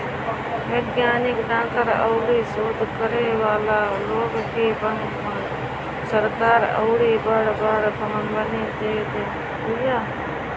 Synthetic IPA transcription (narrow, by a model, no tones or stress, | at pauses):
ʋeːɡjaːnɪkɖãːkəɾə̰ʊɽisoːd̪ʱkəɾeʋaːlaloːɡkebən | pəɽ | səɾkaːɾə̰ʊɽibəɽbəɽpəmnbənit̪eːt̪e | ʊjaː